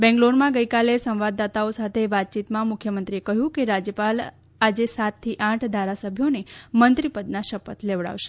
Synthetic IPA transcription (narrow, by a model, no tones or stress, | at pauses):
bɛ̃ŋɡloɾmãɡəjkalesə̃mʋad̪ːat̪aosat̪ʰeʋat̪̚t͡ʃit̪mãmʊkʰjəmənt̪ɾiekəɦjũkeɾad͡ʒjəpal | ad͡ʒesat̪t̪ʰːiʔãʈʰd̪ʱaɾasəbʱjonemənt̪ɾipəd̪̚naʃəpət̪leʋɭa̰ʋʃe̥